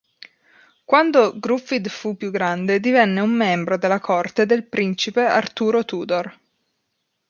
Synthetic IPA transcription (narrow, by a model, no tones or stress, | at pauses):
kwand̪oɡɾufid̪fupːjuɡɾand̪ed̪ivɛnːeumːɛmbɾod̪elːakʰort̪ed̪elpɾint͡ʃipea̰rt̪uːɾot̪uːd̪or